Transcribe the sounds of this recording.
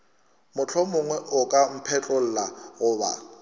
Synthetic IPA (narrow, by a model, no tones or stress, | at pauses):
mʊt͡ɬʰɔmʊŋwɛʔʊkʼam̩pʰɛt͡ɬʼol̩ːlaɣʊːba̰